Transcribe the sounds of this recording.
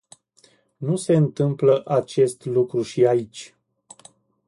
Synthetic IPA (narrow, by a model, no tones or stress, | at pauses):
nuse̞ɨnt̪ɨmpləʔat͡ʃe̞st̪lukɾuʃiait͡ʃʲ